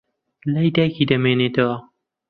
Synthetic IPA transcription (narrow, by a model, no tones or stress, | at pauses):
lajd̪aːkid̪ɐmeːneːt̪ʰɐwɐ